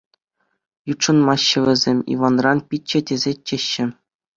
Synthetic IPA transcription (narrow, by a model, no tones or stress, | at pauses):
jutʂɤ̆nmɑɕːɘ̆ʋʲɘ̆zʲemʲḭʋɑnrɑnpʲitʲt͡ɕːɘ̆dʲezʲet͡ɕĕɕːɘ̆